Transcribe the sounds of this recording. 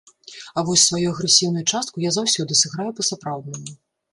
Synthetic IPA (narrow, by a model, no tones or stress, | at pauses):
ɐvɔsʲsvajujɐɣɾɛsʲiwnujut͡ʂast̪kujazawsʲɔd̪ɨsɨɣɾajupɐsapɾawd̪nɐmu